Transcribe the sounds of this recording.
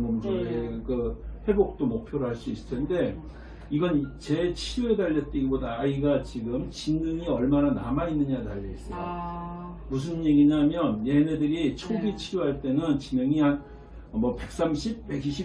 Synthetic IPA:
momd͡ʑoekɯhe̞bok̚t͈omok̚pʰjoɾoɦaɭs͈uis͈ɯ̥tʰende̞ | iɡʌnt͡ɕe̞t͡ɕʰiɾjuedaʎːʌt͈eɡibodaːiɡat͡ɕiɡɯmt͡ɕinɯŋiʌɭmanana̰mainːɯɲataʎːiis͈ʌjo | mus̬ʰɯnje̞ɡiɲamjʌnjene̞dɯɾit͡ɕʰoɡit͡ɕʰiɾjoɦaɭt͈e̞nɯnt͡ɕimɯŋiɦan | mʌpe̞k̚s͈amɕʰip̚pe̞ɡiɕʰi

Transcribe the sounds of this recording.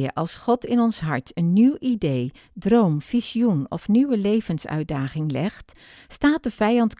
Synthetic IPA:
əʔɑlˠsχɔtɪnɔnsɦɑɹtʰənːiwʔidej | drowmfisiunɔ̰fniwəlejvənsœ̰ɥd̚aːχɪŋlɛχt | staːt̚dəv̥ɛjɑnt

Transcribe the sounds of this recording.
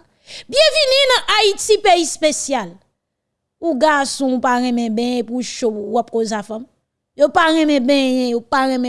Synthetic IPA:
bjɛ̃vinĩnɐ̃ʔaitipeispesjal | uɡasɔ̃ũpaɣɛ̃mɛ̃bɛ̃ɛ̃puʃowɔp̚kozafãm | jopaɣɛ̃mɛ̃bɛ̃jɛ̃jopaɣɛ̃mɛ̃

